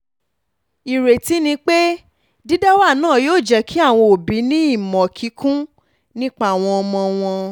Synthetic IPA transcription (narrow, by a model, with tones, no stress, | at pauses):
i˨ɾe˨ti˨˦nĩ˧k͡pe˦ | di˦da˦wa˦˨nãː˦˨joː˦˨d͡ʒɛ˧kʰi˦a˦˨w̃ɔ̃˧o˨bi˨˦nĩ˦i˦˨mɔ̃˨kʰi˨˦kʰũ˦ | nĩ˦k͡pa˦˨w̃ɔ̃˧ɔ˧mɔ̃˧w̃ɔ̃˧